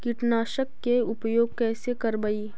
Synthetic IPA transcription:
kɪʈnaːʃəkːeʊpəjoːɡ̚kɛːsekɐɾbəi

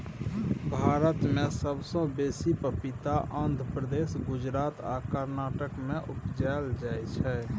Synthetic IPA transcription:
bʱaːɾət̪mẽsəbsə̃besipəpit̪aʔənd̪ʱpɾəd̪eːsɡʊd͡ʒɾaːt̪a̰kəɾnaːʈəkmẽʔupd͡ʒald͡ʒaɛt͡ʃʰɛ

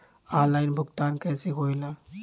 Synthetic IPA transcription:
aːlaːɪnbʱʊkt̪aːnkɛːseɦoːilaː

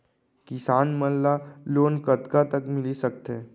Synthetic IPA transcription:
kɪsaːnməllaloːnkət̪kat̪əkmɪlisɐk̚t̪eː

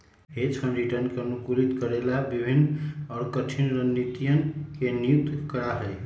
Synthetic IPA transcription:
ɦet͡ʃʰəmɾiʈəɾnkeənukulit̪kəɾelabibʱinːɔːɾkət͡ʃʰinɾənːit̪ijənkenijuk̚t̪kəɾaɦəj

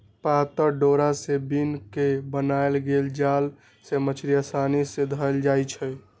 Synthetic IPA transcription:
pat̪əɾɖoɾasebinkebənaelɡeld͡ʒal | semət͡ʃɾijasanised̪ʱəəld͡ʒajt͡ʃʰə

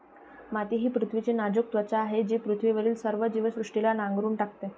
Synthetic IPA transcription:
mat̪iɦiːpɾut̪ʰʋit͡ɕeːnad͡ʑuk̚t̪ʋət͡saːɦed͡ʑipɾut̪ʰʋiʋəɾiːlsəɾʋəd͡ʑiʋəsɾuʂʈilanãŋɡɾuːɳʈak̚t̪e

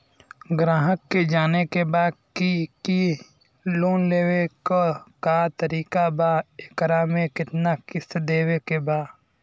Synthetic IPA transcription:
ɡɾaːɦəkːed͡ʒaːnekebaːd̪kiki | loːnleːʋekakat̪əɾiːkabaːekɾamẽkɪt̪nakɪsd̪eːwekebaː

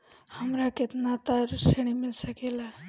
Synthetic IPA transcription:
həmɾaket̪nat̪aɾseɽ̃imilsakela

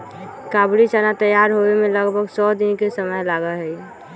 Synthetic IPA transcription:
kaːbɽit͡ʃanat̪əjːaɾɦoemẽləɡbʱəɡsɔd̪ɪnkesəməjlaːɡəɦɛi

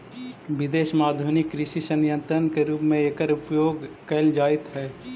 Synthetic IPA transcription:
ʋɪd̪eːʃmaːd̪ʱoːnɪkːɾɪʃisənɪjə̃nt̪ɾənkeɾuːpmẽeːkəɾʊpjoːɡkɐɪld͡ʒaːɪt̪ɦɛː

